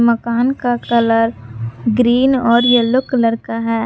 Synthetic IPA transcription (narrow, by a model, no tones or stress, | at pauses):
məkaːnkakɐləɾɡɾiːnɔːɾjəlːʊkləɾkaɦɛː